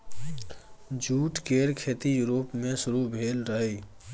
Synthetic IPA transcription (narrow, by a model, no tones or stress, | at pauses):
d͡ʒuːʈkeːɾkʰeːt̪ijuɾoːpmẽsʊɾubʱeːlɾəɦe